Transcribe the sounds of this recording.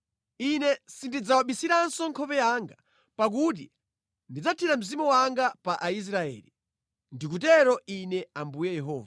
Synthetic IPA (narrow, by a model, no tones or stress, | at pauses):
inɛsindid͡zawaɓisiɾansɔŋkʰɔpɛjaːŋɡa | pak̬ut̬ḭ | ndid͡zatʰiɾam̩zimuwaŋɡapaʔais̬ɾaɛ̰ːli | ndik̬utɛɾɔinɛambujɛjɛɦɔ̰ːva